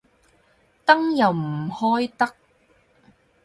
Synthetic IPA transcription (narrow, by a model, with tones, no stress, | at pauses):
t̪ɐ˥ŋjɐ˨wm̩˨˩hɔː˥jt̪ɐ˥k̚